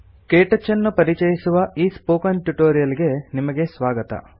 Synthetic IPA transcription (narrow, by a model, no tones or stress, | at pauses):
keːʈɐt͡ʃːɐnːupɐɾit͡ʃɐjisuʋɐʔiːspoːkɐnʈuʈoːɾijɐliɡe̞nimɐɡe̞sʋaːɡɐt̪ɐ̰